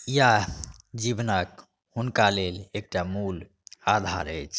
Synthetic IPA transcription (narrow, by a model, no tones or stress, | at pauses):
jad͡ʒibnək | hunkalelek̚ʈamul | ad̪ʱa̰ɾəjt͡ʃʰ